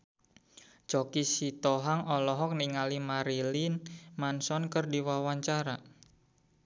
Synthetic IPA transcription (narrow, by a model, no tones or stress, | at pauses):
t͡ʃɔkisit̪ɔɦaŋɔlɔɦɔk̚niŋalimaɾilinmansɔnkərdiwawaɲt͡ʃaɾa